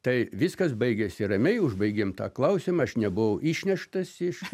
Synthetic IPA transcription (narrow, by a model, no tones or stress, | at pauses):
t̪ɐɪʋʲɪskɐsbɐɪɡʲesʲɪrɐmʲɛɪʊʒbɐɪɡʲeːmt̪ɑ̰ːklˠɐʊsʲɪmɐɐʃnʲɛbʊʋɐʊʔiːʃʲnʲɛʃt̪ɐsɪʃ